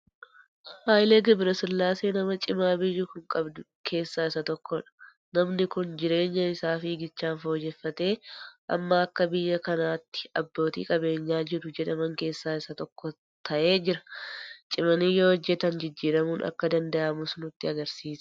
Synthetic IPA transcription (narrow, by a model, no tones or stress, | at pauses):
haːjleːɡɐbɪɾɐsʊlːaːseːnɐmɐt͡ʃʼɪmaːbɪjːʊkʊŋkʼɐbd̪ʊ | kʰe̞ːsːaːɪsɐt̪ɔkːɔᶑɐ̥ | nɐmnɪkʊnd͡ʒɪɾe̞ːɲːɐɪsaːfɪɡɪt͡ʃːaːnfo̞ːd͡ʒɛfːɐt̪e̞ːʔɐ̰mːɐɐkːɐbɪjːɐkɐnaːt̪ːɪ̥ɐbːo̞ːt̪ḭːkʼɐbe̞ːɲːaːd͡ʒɪɾʊd͡ʒɛᶑɐmɐŋke̞ːsːaːɪsɐt̪ɔkːɔ | t̪ʰɐʔe̞ːd͡ʒɪɾɐ̥t͡ʃʼɪmɐniːjo̞ːɔd͡ʒːɛt̪ɐnd͡ʒɪd͡ʒːiːɾɐmuːnʔɐ̰kːɐd̪ɐnd̪ɐʔɐmʊsnʊt̪ːɪɐɡɐɾsiːs